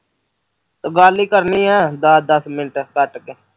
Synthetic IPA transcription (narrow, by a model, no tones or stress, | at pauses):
t̪əɡaːliːkəɾniːɛːd̪aːd̪əsmɪnʈkəʈke